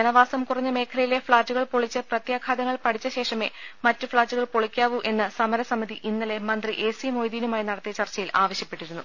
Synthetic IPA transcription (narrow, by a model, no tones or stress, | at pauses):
d͡ʑɐnɐʋaːsɐmkurɐɲːɨme̞ːkʰɐlɐjile̞fɭaːt͡ɕːuɣɐɭpoɭit͡ɕːɐprɐt̪jaːkʰaːd̪ɐŋːɐɭpɐɽʰit͡ɕːɐɕe̞ːʂɐme̞mɐtːɨfɭaːt͡ɕːuɣɐɭpoɭikʲːaːʋuʔe̞nːɨsɐmɐɾɐsɐmiðiʔinːɐle̞mɐnd̪riʔe̞ːsimo̞ːjd̪iːnumaːjnɐɽɐt̪ːijɐt͡ɕɐrt͡ɕːɐjilaːʋɐɕjɐpːe̞ʈːiɾunːu